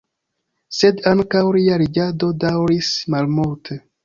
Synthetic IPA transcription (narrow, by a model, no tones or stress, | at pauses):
se̞daŋkawliaɾiɡado̞dawɾismalmultʰe